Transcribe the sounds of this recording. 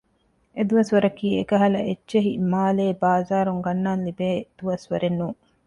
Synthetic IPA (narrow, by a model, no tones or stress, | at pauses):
ed̪uʋɐsʋɐɾɐkiːekɐɦɐlɐʔetːʃeɦimaːleːbaːzaːɾuŋɡɐnːaːnlibeːd̪̥uʋɐsʋɐɾenːuː